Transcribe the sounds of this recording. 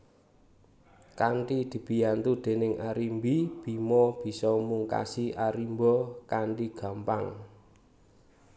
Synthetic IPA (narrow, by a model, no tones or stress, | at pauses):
kaɳʈid̪̥i̤b̥i̤jant̪ud̪̥e̤nɪŋʔaɾimbib̥i̤mɔb̥i̤sɔmuŋka̰siʔaɾimbɔkaɳʈiɡ̥a̤mpaŋ